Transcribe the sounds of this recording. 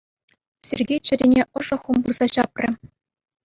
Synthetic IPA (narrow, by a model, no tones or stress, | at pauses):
sʲerʲɡʲejt͡ɕɘ̆ɾʲinʲeʔɤ̆ʐɤ̆χumburzɑɕɑprʲɘ̆